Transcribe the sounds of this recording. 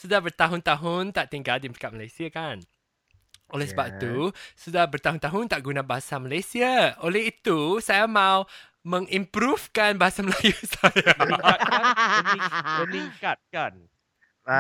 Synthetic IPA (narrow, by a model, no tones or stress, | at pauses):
sudahbərt̪aɦʊnt̪aɦʊnt̪aʔt̪iŋɡaldimikat̪̚malajsiakan | ʔolɛhsəbap̚t̪usudahbərt̪aɦunt̪aɦʊnt̪aʔɡunabaɦasamalajsiaolɛɦit̪usajamãw | mə̃ŋimpɾufkanbaɦasaməlajusaja | məniŋkat̪̚kan